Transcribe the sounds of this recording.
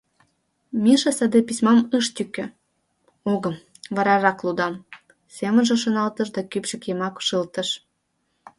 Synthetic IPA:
miʃesəd̪episʲmɑmɨʃt̪ykʲːø̆ | oɣə̆m | βɑɾɑrɑklud̪ɑm | semə̆nʒĕʃonɑlt̪əʃd̪ɑkypʃə̆kemɑkʃɨlt̪ə̆ʃ

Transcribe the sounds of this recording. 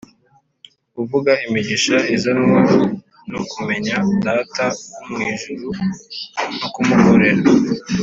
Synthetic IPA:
uvuɡaimiɟiʃaizano | nokume̞ɲadaːtaumŋiːʒuɾu | nokumukoɾe̞ɾa

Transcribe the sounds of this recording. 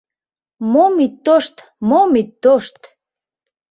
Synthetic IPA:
momit̪ːoʃt̪ | momit̪ːoʃt̪

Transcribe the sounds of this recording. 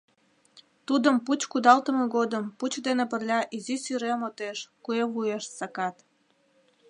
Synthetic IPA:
t̪ud̪əmput͡ɕkud̪ɑlt̪əmeɣod̪əmput͡ɕd̪enep̬ərlʲɑʔizisyɾemot̪eʃkueβueʃsɑkɑt̪

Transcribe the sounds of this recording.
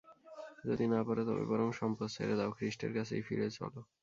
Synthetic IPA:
d͡ʑod̪inapɔɾet̪ɔbḛbɔɾomʃɔmposḛɾed̪aokɾiʃʈḛɾkat͡sʰejfiɾet͡ɕʰɔ̰lo

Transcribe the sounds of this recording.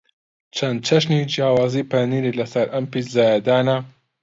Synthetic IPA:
t͡ʃʰɐnd̪̚t͡ʃʰɐʃnid͡ʒjaːwaːziːpɐniːɾilɐsɐɾʔɐmpizaːjɐd̪aːnɐ

